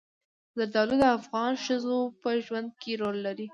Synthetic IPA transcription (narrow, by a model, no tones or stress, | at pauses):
zaɾd̪ɑlud̪əafɣɑnʃəzopəʒwand̪̚kʰeɾolːaɾi